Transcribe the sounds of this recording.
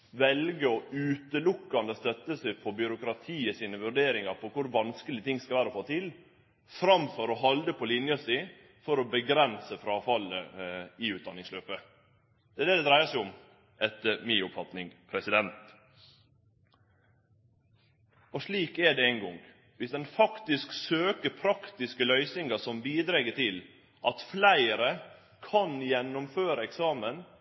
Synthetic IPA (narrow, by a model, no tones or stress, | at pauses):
ʋɛlɡəɔʉːt̪əlʊkːɑnd̪əst̪œt̪ːəsæpʰɔbjʏɾʊkɾɑt̪ʰiːəsiːnəʋʉɾɖeːɾɪŋɑɾpʰɔkʰʊɾʋɑnskəlɪt̪ʰɪŋːskɑlʋæːɾəɔfoːt̪ʰɪl | fɾɑmfɔɾɔɦɑld̪əpʰɔlɪnjɑsɪ | fɔɾɔbəɡɾɛnsəfɾɑːfɑləɪʉːt̪̚d̪ɑnɪŋsløːpə | d̪̥ɛːd̪ɛd̪ɛd̪ɾæɪəʂæɪʊm | ʔɛt̪əmiːʊpfɑt̪nɪŋpʰɾɛsɪd̪ɛnt̪ | ɔʂɭiːkɛɖɛæɪnɡɔŋ | ʋɪsd̪ɛnfɑkt̪ɪsksøːkəpʰɾɑkt̪ɪskəlœʏsɪŋəsɔmbiːd̪ɾɛɡət̪ʰɪl | ʔɑt̪flæɪɾə | kʰɑnjɛnːʊmføːɾəɛksɑːmən